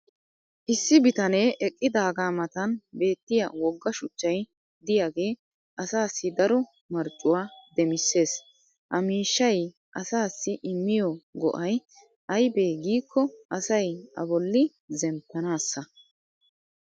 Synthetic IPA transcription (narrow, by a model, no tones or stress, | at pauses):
ʔɪsːɪbɪt̪ɐne̞ːʔɛkʼːɪd̪aːɡaːmɐt̪ɐnbe̞ːt̪ːɪjawɔɡːɐʃʊt͡ʃːɐj | d̪ɪjaːɡe̞ː | ʔɐsaːsːɪd̪ɐɾɔ | mɐɾt͡ʃʼːʊwaːd̪ɛmɪsːe̞ːs | ʔɐmiːʃːɐj | ʔɐsaːsːɪʔɪmːɪjɔɡɔ̰ʔɐj | ʔɐjbeːɡiːkʰːɔʔɐsɐjɐ̰bɔlːɪ | zɛmpːɐnaːsːɐ